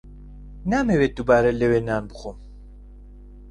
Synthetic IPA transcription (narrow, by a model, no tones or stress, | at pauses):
naːmewed̪ubaːɾɛlewenaːnbɨxom